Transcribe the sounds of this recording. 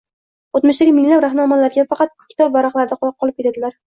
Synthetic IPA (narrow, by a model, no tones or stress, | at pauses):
ot̪mʊʃd̪aɡʲɪmɪŋlapɾaχnɒmalaɾɡʲafɑqɑt̪̚ʊ̥kʰʲːɪ̥t̪ʰɒbvaɾɑχlˠaɾd̪aqʰlˠɑp̚qʰɒlˠɪp̚kʰʲeɾad̪ɪlaɾ